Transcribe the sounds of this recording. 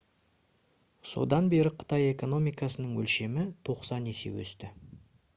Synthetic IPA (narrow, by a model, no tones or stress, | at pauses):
so̞̰d̪ɑnbe̞ɾɪqʰə̥t̪ɑje̞ko̞no̞mijkɑsənəɴwɵ̰lʃe̞mɪt̪ʰo̞qsɑnese̞̰wɵ̰st̪ɪ